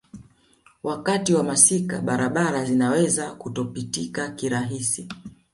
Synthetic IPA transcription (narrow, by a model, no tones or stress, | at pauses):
wakatiwamasika̰ɓaɾaɓaɾazinawɛzakutɔpitikakiɾaɦisi